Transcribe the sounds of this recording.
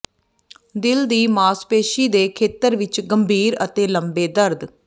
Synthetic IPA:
d̪ɪld̪iːmaːspeːʃiːd̪eːkʰeːt̪əɾʋɪt͡ʃɡəmbʱiːɾət̪eːləmbeːd̪əɾd̪

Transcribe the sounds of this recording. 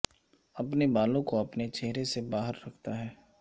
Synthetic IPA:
ɐpnebaːlõkoɐpnet͡ʃɛɦɾesebaːɦəɾːɐkʰt̪aɦɛː

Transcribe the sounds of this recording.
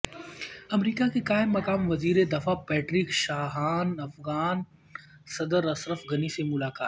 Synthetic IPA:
ɐmɾiːkakekaːɪmːɐkaːmʋɐziːɾed̪ɐfapɛːʈɾiːkʃaːɦaːnɐfɣaːn | sɐd̪əɾɐsɾəfɡɐnisemʊlaːka̰ːt̪

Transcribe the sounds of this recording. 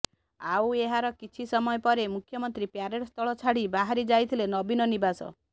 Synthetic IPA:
aweɦaɾɔkit͡ʃʰisɔmɔjɔpɔɾemukʰjɔmɔnt̪ɾipjaɾeɾɔst̪ʰɔɭɔt͡ʃʰaɽibaɦaɾid͡ʒajt̪ʰilenɔbinɔnibasɔ̰

